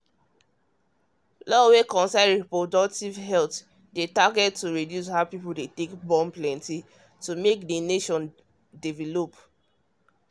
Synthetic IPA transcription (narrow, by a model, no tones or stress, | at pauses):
lɔwekɔ̃nsaɪɹipɹodɔk̚tivɦɛlt | detaɡɛd̚tuɹidjus̬haʊpipuldetekbɔ̃mplɛ̃nti | tumekdeneʃɔ̃n | divɛlop